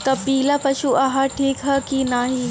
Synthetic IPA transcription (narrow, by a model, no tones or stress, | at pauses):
k̪ɐpiːlapɐʃuɐɦaʈʰiːkɦɐkinaːɦi